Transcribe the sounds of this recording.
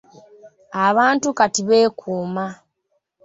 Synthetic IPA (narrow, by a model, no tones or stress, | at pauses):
aβaːntukatiβe̞ːkʰuːma